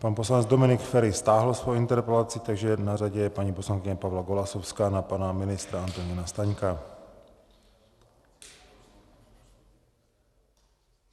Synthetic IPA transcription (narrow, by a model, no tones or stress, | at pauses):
paːnpɔslaɲɛd͡zd̪ɔminikfɛɾist̪aːɦl̩sʋɔjint̪ɛɾpɛlaːt͡sɪːt̪aɡʒɛnaɾaɟɛjɛpaɲipɔslanŋkɪɲapavlaɡɔlasɔʊskaːnapaːnaminɪst̪ɾaant̪ɔɲinast̪aɲka